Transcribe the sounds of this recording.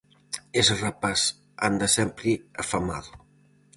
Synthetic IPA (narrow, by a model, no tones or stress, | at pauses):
esrapaz | a̰nd̪əsɛmpɾiafamaðu